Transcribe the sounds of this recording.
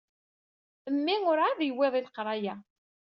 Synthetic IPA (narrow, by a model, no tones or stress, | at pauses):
əmːiŋʊɾaðjweðˤilqɾˤɑjæ